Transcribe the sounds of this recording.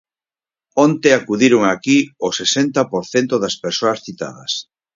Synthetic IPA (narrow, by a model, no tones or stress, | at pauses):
ont̪eakuðiɾoŋakiosesent̪ɐpoɾθent̪oðɐspeɾsoɐsθit̪a̰ð̞ɐ̰s